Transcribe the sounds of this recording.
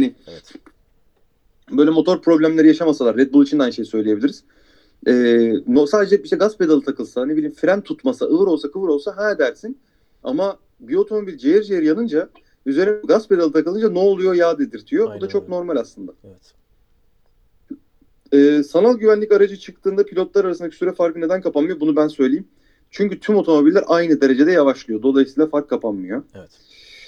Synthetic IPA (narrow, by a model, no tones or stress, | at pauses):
hnɪ | bø̞jlʲɛmo̞t̪ʰo̞ɾpɾo̞blʲæmlʲe̞ɾijaʃamasalˠaɾːɛt̪bulˠit͡ʃʰind̪anʃejsø̞jlʲijebiiɾiz̥ | ɛːnosaːd̪ed͡ʒɛbiʃt̪ɛɡaspʰed̪alˠɯt̪ʰakɯlˠsanebiiimfɾænt̪ʰut̪masaʔɯɯɾo̞lˠsakʰɯvɯɾo̞lˠsaɦɛːd̪æɾsin | a̰ma | bio̞t̪ʰo̞mo̞bilʲd͡ʒejɛɾd͡ʒejeɾijanɯnd͡ʒa | yzeɾinbuɡasped̪alˠɯt̪ʰakɯlˠɯnd͡ʒanoːlˠujo̞jaːd̪ed̪iɾt̪ʰijo̞bud̪at͡ʃʰo̞k̚no̞ɾmalʲaslˠɯnd̪aɛ | ɛːsanalˠɟyvænlʲicaɾad͡ʒɯt͡ʃʰɯkt̪ʰɯːnd̪apʰilʲo̞t̪lˠaɾaɾasɯnacʰi̥syɾɛfaɾkɯne̞d̪ænkʰapanmɯjobunubænsø̞jlʲejim | t͡ʃʰyɲcyt̪ʰymo̞t̪ʰo̞mo̞bilʲːæɾʔajnɯd̪e̞ɾe̞d͡ʒe̞d̪ɛjavaʃlˠɯjo̞d̪o̞lˠajsiːlˠafaɾkʰːapʰanmɯjoɛ